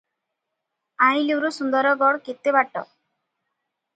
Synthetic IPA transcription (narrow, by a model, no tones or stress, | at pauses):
ajliwɾusund̪ɔɾɔɡɔɽket̪ːebaʈːɔ̰